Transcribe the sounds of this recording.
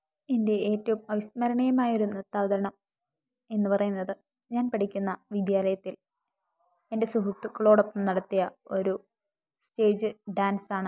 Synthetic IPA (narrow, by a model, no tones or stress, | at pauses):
e̞nde̞eːtːɐʋumɐʋismɐɾɐɳɐjɐmaːjo̞ɾunet̪ːaːʋɐd̪ɐɾɐɳɐm | e̞nːɨpɐrɐjunːɐðɨ | ɲaːnpɐʈʰikʲːunːɐʋid̪jaːlɐjɐt̪ːil | e̞nde̞suɦut̪ːɨkɭo̞ːɽopːɐmnɐɽɐt̪ːijɐo̞ɾu | ste̞ːd͡ʑɨɖaːnsaːɳɨ